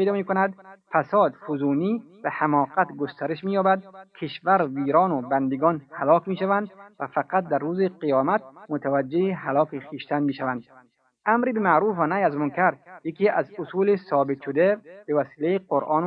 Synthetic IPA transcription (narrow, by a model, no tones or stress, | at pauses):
ejd̪ɒːmiːkonæd̪fæsɒːd̪fuzuːniː | behæmɒːqæt̪ɡost̪æɾeʃmiːjɒːbæd̪kʲʰeʃvæɾviːɾɒːnobænd̪eɡɒːnhælɒːkmiːʃævænd̪væfæqæt̪̚d̪æɾːuːzeqijɒːmæt̪̚mot̪ʰævæd͡ʒːehiɦalɒːkiχiːʃt̪ænmiːʃævænd̪̥ | ʔæmɾiːbemæʔɾuːfænæjæzmonkʰæɾjekʰiːʔæzʊsuːlesɒːbet̪ʃod̪eb̥evæsiːlejeqoɾʔɒːn